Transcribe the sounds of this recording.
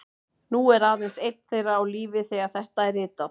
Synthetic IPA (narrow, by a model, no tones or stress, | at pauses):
nuɛɾaːðɛnsejt̪n̥θejraawliːvɪθɛːɣaɾ̥θɛht̪aɛɾɪːt̪að